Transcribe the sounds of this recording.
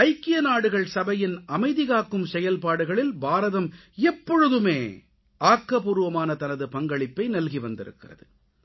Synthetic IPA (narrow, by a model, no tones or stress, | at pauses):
ɐɪkːɪjɐnaːɽɯɣɐɭsɐbɐjɪnɐmɐɪðɪɣaːkːɯmsɛjɐlpaːɽɯɣɐɭɪlbaːɾɐðɐm | ɛpːɔɻɯðɯmeː | ʔaːkːɐpuːɾɯʋɐmaːnɐt̪ɐnɐðɯpɐŋɡɐɭɪpːɐɪnɐlɣiʋɐnd̪ɪ̰ɾɯ̰kːɪrɐ̰ðɯ